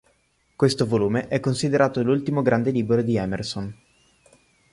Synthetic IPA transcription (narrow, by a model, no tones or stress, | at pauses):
kwest̪ovoluːmeʔɛkːonsid̪eɾaːt̪olult̪imoɡɾʔand̪eliːbeɾod̪iɛmerson